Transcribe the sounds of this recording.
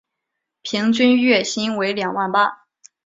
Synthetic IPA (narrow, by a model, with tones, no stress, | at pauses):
pʰi˧˥ŋt͡ɕy˥nɥɛ˥˩ɕi˥nwe˧˥ɪljɑ˨˩ŋwa˥˩npa˥